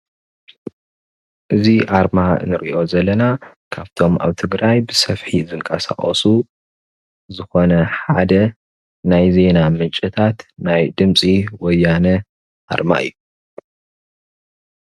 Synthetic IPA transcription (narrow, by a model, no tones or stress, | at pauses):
ʔɨziʔaɾma̰nɨɾiʔo̞zɐlːɐna | kʰaβt̪ʰo̞ma̰βt̪ʰɨɡɾajbɨsɐfħizɨŋkʼɐsa̰χʼɐ̰su | zɨxo̞nɐħad̪ɐ | najze̞namɨnt͡ʃʼit̪ʰat̪najd̪ɨmsʼiwɔjːanɐ | ʔa̰ɾma̰ʔɨ̰jːu